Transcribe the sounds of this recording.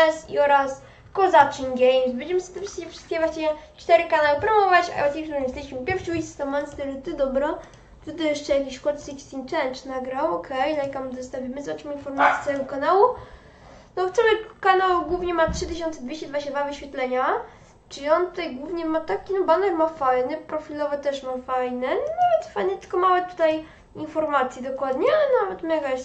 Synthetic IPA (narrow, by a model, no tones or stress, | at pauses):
ɛsḭɔɾas | kɔzat͡ʂiŋɡɛjmsbɛnɲd͡ʑɛmɘst̪ɛfʂɨskʲɛfʂɘ̥st̪̚kʲɛvwaɕɲɛt͡ʂt̪ɛɾɘkanawɘpɾɔmɔvat͡ɕa̰ɛsɲʲɛkʂɔɲɛst̪ɛiɕmɨpʲjɛɾfɕuist̪ɔmɛnst̪ɛɾɨt̪ɨd̪ɔbɾɔ | t̪ɨt̪ɔjɛʂt͡ʂɛjakʲiɕkɔt̪sikst̪ʲint͡ʂɛnt͡ʂnaɡɾawɔkʰɛjlajkamzɔst̪avʲimɘzvaʈ͡ʂɨminfɔɾmat̪sʲjɛ̥t̪sɛvɛɡɔkanawu | nɔft̪sɔmɛkanawɡwuvɲɛmatʂɘt̪ɘɕɔnt̪sɛd̪vʲeɕt͡ɕɛd̪vad͡ʑeɕt͡ɕad̪vavɨɕfʲɛt̪lɛɲa | t͡ʂɨlʲiɔnt̪ut̪ajɡwuvɲɛmat̪akʲinɔbanɛɾmafajnɘpɾɔfʲilɔvɛt̪ɛʂmafajnɘnɔnavɛt̪fajnɛt̪ɘ̥lkɔmawɛt̪u̥t̪aj | infɔɾmat̪sʲjid̪ɔkwad̪ɲɛanavɛt̪maɡa